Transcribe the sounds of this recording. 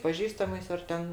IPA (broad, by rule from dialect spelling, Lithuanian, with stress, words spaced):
pɐˈʒʲiːstɐmɐɪs ɐr ˈtʲɛn